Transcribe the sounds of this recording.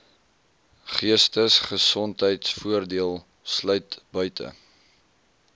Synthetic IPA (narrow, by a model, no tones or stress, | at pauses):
χiəstəsχəsɔntɦəjtsfuərdiəlˠ | slœɥtbœɥtə̰